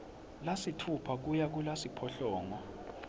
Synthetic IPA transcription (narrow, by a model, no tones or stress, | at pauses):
lasitʰupʰak̬ujak̬ulasipʰɔɬɔːŋwa